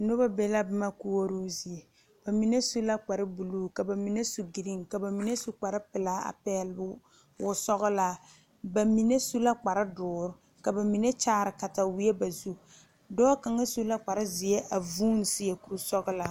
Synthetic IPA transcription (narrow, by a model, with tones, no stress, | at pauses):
no˦ba˦bɛ˦la˦bɪ˦ma˦ku˦wo˦ɾu˦zi˨e˨ | b̥a˨mi˨ne˦su˦la˦k͡pa˨ɾɪ˦bu˨lu˦ka˨ba˨mi˨ne˦su˨ɡi˨ɾi˦ŋka˨ba˨mi˨ne˦su˦k͡pa˨ɾɪ˦pɪ˨laː˦a̰˨pɛː˦lɪ˨˦bʊ˦ | wʊ˨sɔ˦ɣʊ˦la˨˦ | ba˨mi˨ne˦su˦la˦k͡pa˨ɾɪ˦dʊː˨ɾʊ˦ | ka˨ba˨mi˨ne˦t͡ʃaː˦ɾɪ˨ka˨ta˨wi˦e˦ba˨zu˦ | dɔː˦ka˨ŋa˦su˦la˦k͡pa˨ɾɪ˦zɪ˨je˦ʔa˨vuː˦n˨sɪ˦je˨ku˨ɾu˦sɔ˦ɣʊ˦la˨